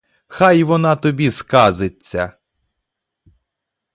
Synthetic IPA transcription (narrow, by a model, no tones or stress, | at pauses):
xɑjʋɔnɑt̪ɔbʲiskɑzɪt͡sʲːɐ̰